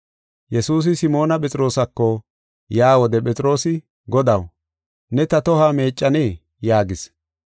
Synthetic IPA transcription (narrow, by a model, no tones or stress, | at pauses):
jɛsuːs̬ɪsɪmo̞ːnɐpʼɛt͡sʼɪɾo̞ːsɐkːɔ | jaːwɔd̪ɛpʼɛt͡sʼɪɾo̞ːsɪ | ɡɔd̪ɐw | nɛt̪ɐt̪ɔhaːme̞ːt͡ʃʼːɐneː | jaːɡɪs